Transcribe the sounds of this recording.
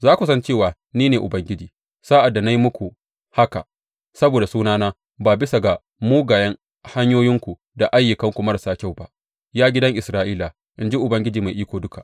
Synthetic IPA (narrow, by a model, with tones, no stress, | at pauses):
zaː˦kʷu˨sɐ˦nt͡ʃeː˦˨waː˨ | niː˦neː˨ʔʊ˨bɐ˦ŋɡʲɪ˦d͡ʒiː˨ | saː˦ʔa˨dːa˨na˦ji˦mʊ˦kʷu˨ | ha˦ka̰˨ʔ | sɐ˦boː˨da˨suː˦naː˦naː˦ | baː˨bɪ˦sa˨ɡa˨ | muː˦ɡaː˨jɐ˦ŋ | ha˦ɲjoː˦jɪ˦ŋkʷu˨ | da˨ʔa˦jːʊ˨kɐ˦ŋkʷu˨mɐ˦ɾsaː˦kʲa˦˨wba˦ʔ | jaː˦ɡʲɪ˦dɐ˦ŋʔɪ˨sɾaː˦ʔiː˦la˨ | ʔɪ˨nd͡ʒi˦ʔʊ˨bɐ˦ŋɡʲɪ˦d͡ʒiː˨ma˨jʔiː˦kʷoː˨dʊ˦ka˨